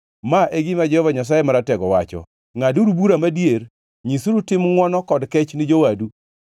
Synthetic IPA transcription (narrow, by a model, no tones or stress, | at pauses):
maʔeɡɪmad͡ʒɛhɔvaɲas̬ajemaɾatɛɡɔwa̰t͡ʃɔ̰ | ŋaduɾubuɾamadijeɾ | ɲisuɾutɪmŋwɔnɔkɔdkɛt͡ʃnɪd͡ʒowadu